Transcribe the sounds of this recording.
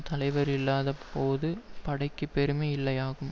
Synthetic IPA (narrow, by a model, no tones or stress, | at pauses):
t̪ɐlɐɪʋɐɾɪlːaːðɐpːoːðɯpɐɽɐɪkːɯpːɛɾɯmeɪlːɐjaːɣɯm